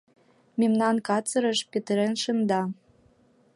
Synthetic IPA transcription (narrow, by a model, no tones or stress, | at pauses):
mʲemnɑnkɑt͡sɤ̆ɾɤ̆ʃpet̪əɾenʃɤ̆nd̪ɑ